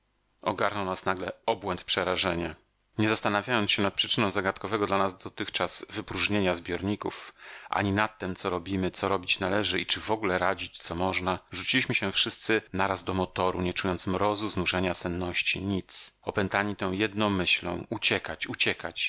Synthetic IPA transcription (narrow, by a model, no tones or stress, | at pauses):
ɔ̰ɡaɾnɔwnasnaɡlɛɔbwɛnt̪̚pʂɛɾaʐɛɲa | ɲɛzast̪anavʲjajɔnsɕɛnat̪̚pʂɘt͡ʂɘnɔ̃w̃zaɡat̪kɔvɛɡɔd̪lanazd̪ɔt̪ɘxt͡ʂaz̥vɘpɾuʐɲeɲazbʲjɔɾɲikufʔa̰ɲinat̪ːɛmt̪sɔɾɔbʲimɘt̪sɔɾɔbʲit͡ɕnalɛʐɘit͡ʂɘvɔɡulɛɾad͡ʑit͡ɕt̪sɔmɔʐnaʐut͡ɕilʲiɕmɘɕɛfʂɘst̪sɘnaɾazd̪ɔmɔt̪ɔɾuɲɛt͡ʂujɔnt̪smɾɔzuznuʐɛɲasɛnːɔɕt͡ɕiɲit̪sɔpɛnt̪aɲit̪ɛ̃w̃jɛd̪nɔ̃w̃mɘɕlɔ̰̃w̃ut͡ɕɛkat͡ɕut͡ɕɛkat͡ɕ